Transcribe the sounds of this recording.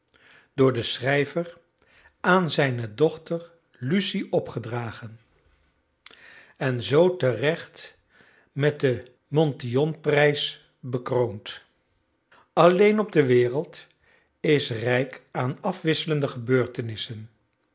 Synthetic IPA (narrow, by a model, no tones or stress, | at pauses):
d̥ʊːɹdəsrɛjvər | aːnzɛjnədɔχtəɹ | lysiʔɔpχədraːχən | ɛnzowtərɛχt | mɛt̚də | mɔntiɔnprɛjs | bəkrownt | ɑlejnɔb̚dəʋɪːrəlˠt | ɪsrɛjkaːnɑfʋɪsələndəχəbøːɹtənɪsən